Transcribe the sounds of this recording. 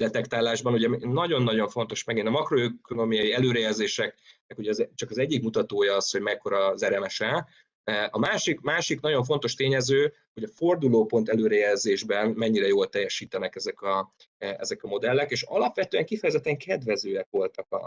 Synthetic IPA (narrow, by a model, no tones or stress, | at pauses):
d̪ɛt̪ɛkt̪aːlaːʒbɒnuɟɛnːɒɟo̞nːɒɟo̞ɱfo̞n̪t̪o̞ʃmɛɡint̪ɒmɒkro̞ɛkonomijɒjiɛløːɾɛjɛlzeːʃɛk̚nɛkuɟɛːzɛt͡ʃɒkɒzɛɟːikmut̪ɒt̪oːjɒɒsho̞ɟmɛkːo̞ɾɒzɛɾɛmɛʃɛ | ɒmaːʃikmaːʃiknɒɟo̞ɱfo̞nt̪o̞ʃt̪eːɲɛzøː | ho̞ɟɒfo̞rd̪uloːpo̞nt̪ɛløːɾɛjɛlzeːʒbɛnmɛɲːiɾɛjoːlt̪ɛjːɛʃiːt̪ɛnɛkɛzɛkɒ | ɛ̰zɛkɒmo̞d̪ɛlːɛkeːʃɒ̰lɒpʋɛt̪øːɛŋkifɛjɛzɛt̪ːɛŋkʰɛd̪ʋɛzøːɛkʋo̞lt̪ɒkɒ̰